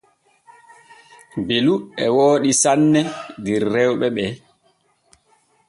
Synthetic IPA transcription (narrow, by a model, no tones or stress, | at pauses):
beluɛwoːɗisanːɛdiɾːɛwɓɛɓɛ